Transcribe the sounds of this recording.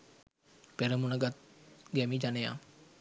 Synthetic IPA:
peɾəmunəɡat̪̚ɡɛmiːd͡ʒaneja̰ː

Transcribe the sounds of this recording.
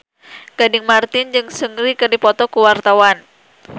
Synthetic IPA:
ɡ̥adɪŋmart̪ɪnd͡ʒɨŋsəŋɾikɨrdipɔt̪ɔkuwart̪awan

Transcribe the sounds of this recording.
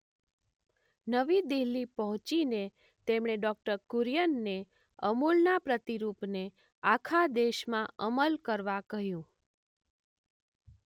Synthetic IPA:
nəʋid̪iɦlipəɦʊ̃t͡ʃine | t̪emɳ̃eɖɔk̚ʈəɾkuɾjənːe | əmulnapɾət̪iɾupne | akʰad̪eʃmãʔəməlkəɾʋakəɦjũ

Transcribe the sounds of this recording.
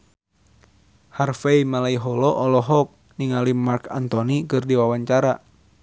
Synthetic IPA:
harfeimalaiɦɔlɔʔɔlɔɦɔk̚ | niŋalimarka̰nt̪ɔnikɨrdiwawaɲt͡ʃaɾa

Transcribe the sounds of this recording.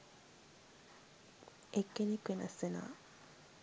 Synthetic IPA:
ekːenikwena̰sena̰ː

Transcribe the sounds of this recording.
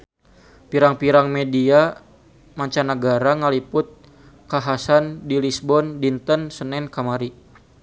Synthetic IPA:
piɾaŋpiɾaŋmedia | maɲt͡ʃanaɡaɾaŋalipʊt̪̚ | kaɦasandilisbɔndint̪ənsənɛnkamaɾi

